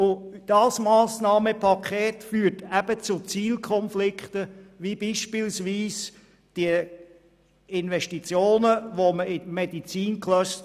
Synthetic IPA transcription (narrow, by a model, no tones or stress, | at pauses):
ʊd̥ɑsmɑːsnɑːməpʰɑkʰχeːtfyːətæb̥ət͡sʊt͡siːlkʰχɔnflɪkχt̪əʋibiʃpɪlsʋiːs | d̥iə | ɪnʋɛʃtit͡sjoːnəʋoməɪmɛdit͡siːnkʰlœst